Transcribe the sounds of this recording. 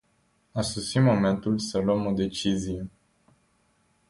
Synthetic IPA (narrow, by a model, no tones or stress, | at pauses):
asosimo̞me̞nt̪ulsəlwəmo̞d̪e̞t͡ʃizije